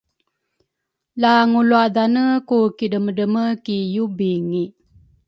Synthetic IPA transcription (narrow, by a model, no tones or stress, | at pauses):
laŋuluadanəkukidəmədəməkijubiŋi